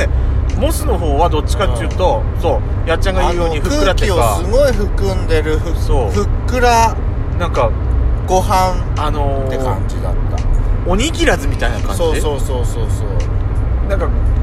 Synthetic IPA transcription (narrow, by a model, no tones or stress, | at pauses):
emo̞sɨno̞ɦo̞ːβad̪o̞t͡ɕːi̥kat̪ːejɯ̟ːt̪o̞ | so̞ː | jat͡ɕːãŋɡaɯjooɲiɸɯ̟kɯɯɾat̪ːeiokaɨɡo̞iɸɯ̟kɯ̟̃nd̪e̞ɾɯ̟ɸɯ̟so̞ːɸɯ̟kːɯ̟ɾa | nãŋka | ɡ̥o̞ɦãnano̞t̪ːe̞kã̰ɲ̟d͡ʑid̪a̰t̪ːa̰oɲ̟ikʲiɾazɨmʲit̪ainakã̰soːioːsoːsoːsoːnãŋka